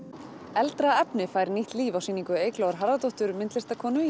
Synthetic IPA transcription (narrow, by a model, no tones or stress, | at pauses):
ɛlt̪ɾaɛpnɪfaːjɾniht̪liːvawsiːniŋkʏeːjklaːwaɾɦaɾðat̪ɔht̪ʏɾmɪnt̪lɛst̪akʰɔːnʏ